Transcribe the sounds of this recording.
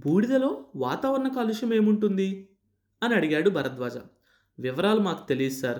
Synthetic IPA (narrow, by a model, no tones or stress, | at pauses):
bʱuːɽid̪ɐlo̞ːʋaːt̪aːʋɐɾɐɳɐkɐluʂɐme̞ːmuɳʈund̪i | ɐniɐɽiɡaːɽubʱɐɾɐt̪ʋaːd͡ʒa̰ː | ʋiʋɐɾaːlumaːku̥t̪e̞lisusaːɾ